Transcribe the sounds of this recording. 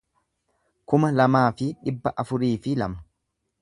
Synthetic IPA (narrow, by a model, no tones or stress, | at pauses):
kʊmɐlɐmaːfɪᶑɪbːɐʔɐfʊɾiːfɪlɐ̰mɐ̥